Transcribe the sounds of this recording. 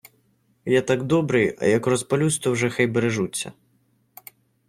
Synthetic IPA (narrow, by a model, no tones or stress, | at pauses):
jat̪aɡd̪ɔbɾɨjɐ̰jɐkrɔspɔlʲust̪ɔwʐɛxɛjbeɾeʐut͡sʲːɐ̰